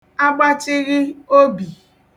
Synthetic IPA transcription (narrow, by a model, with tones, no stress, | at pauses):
a˦ɡ͡ba˦t͡ʃɪ˦ɣɪ˦o˦bi˨